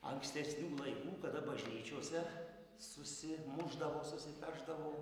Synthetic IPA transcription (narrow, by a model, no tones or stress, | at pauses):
ɐ̰ŋksʲt̪ʲɛsʲnʲuːlˠɐɪkuːkɐd̪ɐbɐʒʲnʲiːt͡ʃʲuɔsʲɛ | sʊsʲɪmʊʒd̪ɐʋoːsʊsʲɪfʲæʒd̪ɐʋoː